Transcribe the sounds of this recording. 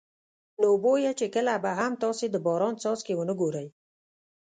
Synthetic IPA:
nobojet͡ʃekəlabaɦamt̪ɑsed̪əbɑɾɑnsɑzkewənəɡoɾəj

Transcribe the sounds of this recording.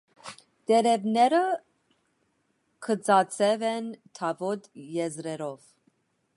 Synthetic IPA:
t̪ɛɾɛvnɛɾə | kʰət͡sɑt͡sʰɛvɛnt̪ʰɑvɔt̪jɛzɾɛɾɔv̥

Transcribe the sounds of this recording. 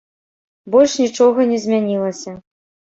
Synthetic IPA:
bɔlʲʂnʲit͡ʂɔɣɐnʲɛzʲmʲanʲilˠɐsʲɐ

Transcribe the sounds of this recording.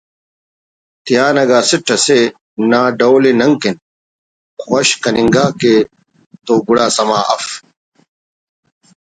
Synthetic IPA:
t̪ijaːnɐɡaːsiʈʰːɐse | naːɖɐwlinɐŋkin | xɐɕkɐniŋɡaːkeː | t̪oːɡuɽaːsɐmaːʔɐf

